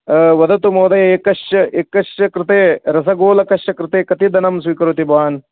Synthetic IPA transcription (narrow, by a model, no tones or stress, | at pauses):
ʋɐd̪ɐt̪umoːd̪ɐjɐeːkɐʃjɐʔekːɐʂjɐkɾɪt̪eːɾɐsɐɡoːlɐkɐʃjɐkɾɪt̪eːkɐt̪id̪ɐnɐmsʋiːkɐɾut̪ibaːn